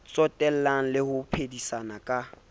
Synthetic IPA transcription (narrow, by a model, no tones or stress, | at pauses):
t͡sʼɔtʼɛl̩laŋ̩lɪhʊpʰedisanakʼa